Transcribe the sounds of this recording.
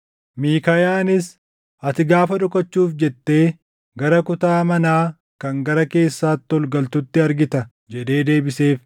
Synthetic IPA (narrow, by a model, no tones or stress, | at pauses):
miːkɐjaːnɪs | ɐt̪ɪɡaːfɐᶑʊkɐt͡ʃːuːfd͡ʒɛt̪ːe̞ː | ɡɐɾɐkʊt̪aːmɐnaː | kɐŋɡɐɾɐke̞ːsːaːt̪ːɔlɡɐlt̪ʊt̪ːɪɐɾɡɪt̪ɐ | d͡ʒɛᶑ̪e̞ːd̪e̞ːbɪse̞ːf